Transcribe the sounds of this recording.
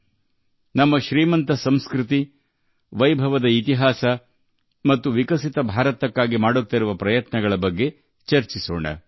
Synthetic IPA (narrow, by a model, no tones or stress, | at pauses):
nɐmːɐʃɾiːmɐnt̪ɐsɐmskɾit̪i | ʋɐjbʱɐʋɐd̪ɐit̪iɦaːsɐ | mɐt̪ːuʋikɐsit̪ɐbʱaːɾɐt̪ɐkːaːɡimaːɽut̪ːiɾuʋɐpɾɐjɐt̪nɐɡɐɭɐbɐɡːe̞ | t͡ʃɐɾt͡ʃiso̰ːɳɐ̰